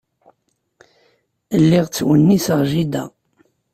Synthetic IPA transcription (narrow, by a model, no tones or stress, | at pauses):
əlːiʁt͡sːwənːisəʁʒid̪æ̰